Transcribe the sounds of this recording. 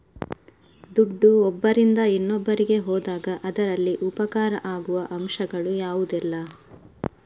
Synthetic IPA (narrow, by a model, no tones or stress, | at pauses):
d̪uɖːuɔbːɐɾind̪ɐinːɔbːɐɾiɡe̞ɦɔːd̪aːɡɐʔɐd̪ɐɾɐlːiʔupɐkaːɾɐʔaːɡuʋɐʔɐmʃɐɡɐɭujaːʋud̪ɛlːɐ